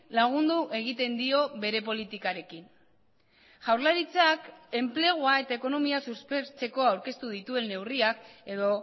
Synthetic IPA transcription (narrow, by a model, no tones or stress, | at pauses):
laɣ̞und̪uʔe̞ɣ̞it̪e̞nd̪io̞βe̞ɾe̞p̬o̞lit̪ikaɾe̞kin | ʝawɾlaɾit͡sake̞mple̞ɣoae̞t̪ae̞ko̞no̞miasuspe̞ɾt͡se̞ko̞awɾke̞st̪uðit̪ue̞nːe̞wriake̞ðo̞